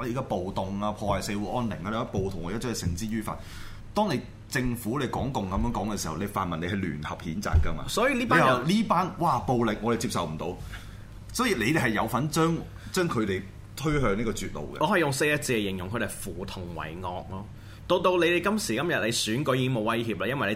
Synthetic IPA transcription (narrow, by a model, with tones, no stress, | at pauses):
le˨˧kaː˧˥po˨wt̪ʊ˨ŋaː˧pʰɔː˧wɐ˨˩se˧wuː˨˥ʔɔː˥nlɪ˨˩ŋːkaː˨˧le˨˧˦ɐ˥po˨wt̪ʰʊ˨˩ŋɔ̰˨˧jɐ˥œː˥ɛ˨sɪ˨˩ŋt͡siː˥ɥyː˥fa̰ː˧t̚ | t̪ɔː˥ŋne˨˧j | t͡sɪ˧ŋfuː˨˥le˨˧jkɔ̰ː˨˥ŋkʊ˨ŋkɐ˨mjœː˨˥ŋkɔː˨˥ŋkɛ˧si˨hɐ̰˨wle˨˧jfa̰ː˨nmɐ˨ne˧hɐ˨jly̰ː˨˩nhɐ˨p̚hiː˨˥nt͡sa̰ː˨˧kːɐ˧ma̰ː˧sɔː˨˥jiː˧liː˥paː˦˥˨liː˥paː˥nwaː˧˩po˨wlɪ˨k̚ŋɔː˨˧ɾe˨jt͡siː˧p̚sɐ˨wm̩˨˩t̪o̰˧w | sɔː˨˥jiː˨˧le˨˧jt̪e˨˩ɦɐ˨˩jɐ˨˧wfɐ˨˥nt͡ʃœː˥ŋ | t͡ʃœː˥ŋkʰɵ˨˧t̪e˨j | t̪ʰɵ˥ɥhœː˧niː˥kɔː˧t͡syː˨t̚lo̰˨wkɛ̰˧ʔɔː˨˧hɐ˨jʊ˨ŋse˧jɐ˥t͡siː˧ɛ˨˧jɪ˨˩ŋjʊ˨ŋʰɵ˨˧t̪e˨˩fuː˨˩t̪ʰʊ˨˩ŋwɐ̰˨˩jŋɔː˧k̚lɔː˥ | t̪o˧wt̪o˧wle˨˧jd̪e˨jkɐ˥msiː˨˩kɐ˥mjɐ˨t̚le˨˧jsyː˨˥nkɵ˨˥ɥjiː˧˥ɪ˥ŋmo˨˧wɐ˥jhiː˧p̚laː˧jɐ˥nwɐ˨le˨˧